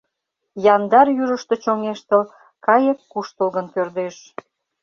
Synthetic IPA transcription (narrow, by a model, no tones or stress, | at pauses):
jɑnd̪ɑrjyʒəʃt̪e̽t͡ɕoŋeʃt̪əl | kɑjəkːuʃt̪əlɣənkørd̪eʃ